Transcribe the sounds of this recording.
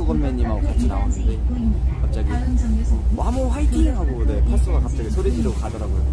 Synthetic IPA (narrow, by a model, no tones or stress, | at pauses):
uɡʌmmeɲːimaokat͡ɕʰina̰was͈ɯndekʰap̚t͡ɕ͈aɡisʰaŋeamuɦaitʰiŋɯɦaɡone̞pʰas͈uɡakap̚t͡ɕ͈aɡisʰoɾed͡ʑiɾokadʌɾaɡojo